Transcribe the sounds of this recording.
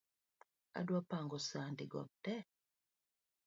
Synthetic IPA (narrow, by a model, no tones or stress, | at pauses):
a̰dwapaŋɡɔsandiɡɔ̰b̚tɛ